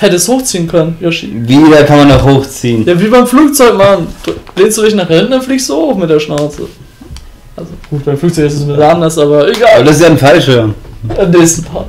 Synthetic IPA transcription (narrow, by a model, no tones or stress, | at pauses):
hɛtəsthoːxt͡siːənkʰœnənjɔʃḭviːdakʰanmanɔχhoːxt͡siːənjaːviːbaɪmfluːk̚t͡sɔʏkmand̥b̥leːnstd̥uːdɪçnaːχɪnndʊnfliːkstz̥ohoːxmɪt̚d̥eːɐʃnaʊt͡sə̰ | ʔalzoɡ̥uːt̚b̥aɪmfluːk̚t͡sɔʏçɪssnɪdɐandɐsʔaːbɐeɡaːdassjaːnfalʃønɪneːstn̩pʰa̰ː